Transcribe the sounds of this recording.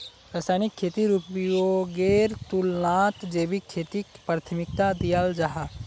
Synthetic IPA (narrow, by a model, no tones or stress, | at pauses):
ɾəsaːnikʰːeːt̪iɾupijoɡeɾt̪ulnaːt̪d͡ʒeːbikʰːet̪ikpɾat̪ʰmɪkt̪ad̪ijald͡ʒaɦa